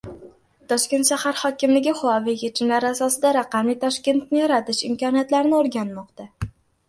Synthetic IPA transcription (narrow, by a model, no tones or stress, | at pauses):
t̪ʰɒʃkʲe̞nt̪ʃahaɾhɒkʲɪmlɪɡʲɪχʊɒvɪjet͡ʃʰɪmlaɾasɒsɪd̪aɾaqɑmlɪt̪ʰɒʃkʲe̞nt̪̚nɪjɒɾat̪ɪʃɪmkɒnijat̪laɾnɪoɾɡʲanmɒqt̪a